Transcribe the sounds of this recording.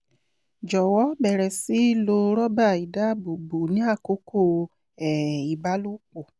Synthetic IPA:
d͡ʒɔ˨wɔ˦bɛ˨ɾɛ˨si˦lo˧ɾɔ˦ba˦˨i˨da˨˦˨bu˨bu˨nĩ˦a˦˨ko˨˦ko˦˨ | ɛ˨i˨ba˨˦lu˦k͡po˨

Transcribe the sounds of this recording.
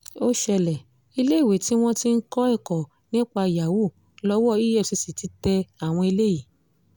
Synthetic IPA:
o˦ʃɛ˧lɛ˨ | i˧le˦i˦˨we˨ti˨˦w̃ɔ̃˦ti˦n̩˦kɔ˦ɛ˦˨kɔ˨ | nĩ˦k͡pa˧˨ja˨wu˦˨ | lɔ˧wɔ˦i˦jɛ˦˨si˧si˨ti˨˧˦tɛ˧a˨w̃ɔ̃˧i˧le˦ji˦˨

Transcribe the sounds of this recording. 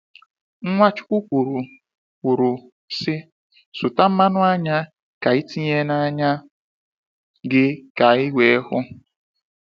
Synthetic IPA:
ŋ̩˦ŋʷa˦t͡ʃʊ̥˦kʷu˦kʷu˨ɾu˨ | kʷu˨ɾu˨ | sɪ˦ | sʊ˨ta˦m̩˦ma˦nʊ˦a˦ɲa˦ | ka˨i˦ti˦ɲe˦na˦ɲa˦ | ɡɪ˦ka˨ɪ˦wʷe˦hʊ˦

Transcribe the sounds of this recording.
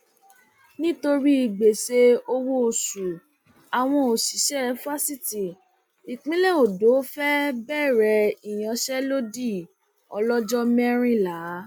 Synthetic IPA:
nĩ˦to˧ɾi˦i˧˨ɡ͡be˨se˧o˧wo˦o˨su˨ | a˨w̃ɔ̃˧o˨si˨˦ʃɛ˦˧fa˦si˦ti˨ | i˨k͡pĩ˨˦le˦o˨do˨˦fɛ˦bɛ˦˨ɾɛ˧i˨j̃ã˧ʃɛ˦lo˦di˦˨ | ɔ̰˧lɔ˦d͡ʒɔ˦mɛ˦ɾ̃ĩ˦la˨˦

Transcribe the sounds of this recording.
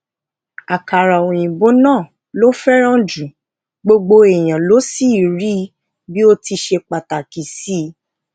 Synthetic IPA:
a˨ka˨ɾa˨o˨j̃ĩ˨bo˨˦nãː˦˨ | lo˦fɛ˦ɾ̃ã˦d͡ʒũ˨ | ɡ͡bo˧ɡ͡bo˧e˨j̃ã˨lo˦si˦˨ɾi˦ | bi˦o˧ti˧ʃe˧k͡pa˨ta˨ki˨˦si˦

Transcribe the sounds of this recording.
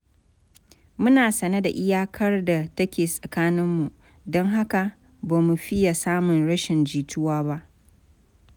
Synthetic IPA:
mʊ˦naː˨sɐ˨nɐ˦da˨ʔɪ˦jaː˦kʰɐ˦rda˨tɐ˦kʲeː˨sʼɐ˨kaː˦nɪ˦mːu˨ʔ | dɔ˦ŋɦa˦ka˨ | baː˨mu˨ɸɪ˦ja˨saː˦mʊ˨nɽɐ˦ʃɪ˨nd͡ʒiː˨tʊ˦waː˦ba˦ʔ

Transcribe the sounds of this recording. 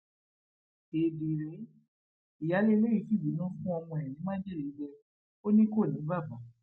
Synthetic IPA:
e˨di˨ɾe˨˦ | i˨ja˨˦le˦˧le˦i˨˧˦si˦˨i˨˦˨nã˦fũ˦ɔ˧mɔ̃˧ɛ˨nĩ˨˦mã˦d͡ʒi˦˨i˨˦d͡ʒɛ˧ | o˦nĩ˦ko˦˨nĩ˨˦ba˦˨bã˨˦

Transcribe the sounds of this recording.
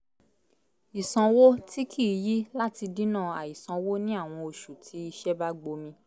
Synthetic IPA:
i˨sã˧wo˦ti˦kʰi˦˨ji˦la˦ti˧dĩ˦nãː˦˨a̰˨i˨sã˨˧wo˦nĩ˦a˦˨w̃ɔ̃˧o˧ʃu˨tʰi˨˦i˧ʃɛ˦ba˦ɡ͡bo˧mĩ˧

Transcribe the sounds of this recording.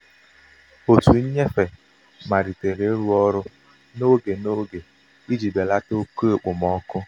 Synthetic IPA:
o˨tu˨˦ɲe˦fe˨ | ma˨ɾi˨te˨ɾe˨˦ɾu˦ɔ˦ɾʊ˦ | no˦ɡe˨no˦ɡe˨ | i˦d͡ʒi˨be˨la˦to˦ke˦˨k͡pʊ˨mɔ˦kʊ˦

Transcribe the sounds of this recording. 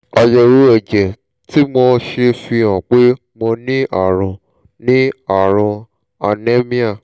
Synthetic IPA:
a˧jɛ˧wo˦ɛ˦˨d͡ʒɛ˨ | ti˦mɔ̃˧ʃe˧fĩ˧ã˨k͡pe˦ | mɔ̃˧nĩ˦a̰˦˨ɾ̃ɔ̃˨ | nĩ˦a˨ɾ̃ã˧ | a˨ne˦mĩ˦a˦˨

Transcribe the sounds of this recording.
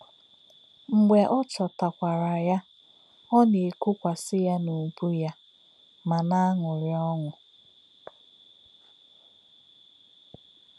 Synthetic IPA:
ŋ͡m̩˨ɡ͡be˨ʔɔ˦t͡ʃɔ˨ta˨kʷa˨ɾa˨ja˦ | ɔ˦ne˨ku˦kʷa˨sɪ˦ja˦nu˨bu˦ja˦ | ma˨na˦a˦ŋʊ˨ɾɪ˦ɔ˦ŋʷʊ˨

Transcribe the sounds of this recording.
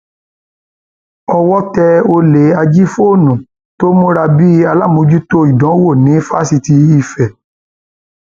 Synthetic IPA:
ɔ˧wɔ˦tɛ˧o˧le˨a˧d͡ʒi˦fo˦˨nũ˨ | to˦mũ˦ɾa˧bi˦a˧la˦˨mõ˨˦d͡ʒu˦to˦i˨dɔ̃˨˦wo˦˨nĩ˨˦fa˦si˧ti˧i˧fɛ˨

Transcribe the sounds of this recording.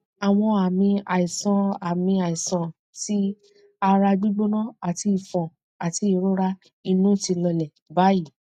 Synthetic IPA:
a˨w̃ɔ̃˧a˨mĩ˧a˨i˨sã˧a˨mĩ˧a˨i˨sã˨ | ti˦ | a˧ɾa˧d͡ʒu˦ɡ͡bo˦nã˦a˨ti˧i˨fɔ̃˨ | a˨ti˧˦i˧˨ɾo˦ɾa˦ | i˧nũ˦˨ti˧lɔ˧lɛ˨ | ba˨˦ji˦˨

